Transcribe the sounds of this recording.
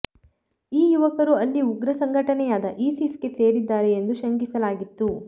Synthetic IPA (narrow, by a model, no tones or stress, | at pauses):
iːjuʋɐkɐɾuɐlːiuɡɾɐsɐŋɡʱɐʈɐnɛjaːd̪ɐʔiːsiske̞se̞ːɾid̪ːaːɾeːnd̪uʃɐŋɡisɐlaːɡit̪ːu